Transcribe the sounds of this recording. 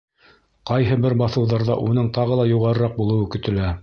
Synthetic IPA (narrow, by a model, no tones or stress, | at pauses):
qɑjɦɤbɘɾbɑθɤ̆wðɑɾðɑ̰ʔun̪ɤɴt̪ɑʁɤ̆lˠɑjuʁɑɾɤ̆ɾɑq̚bulˠɤ̆wɤkɵ̆t̪ɘ̆læ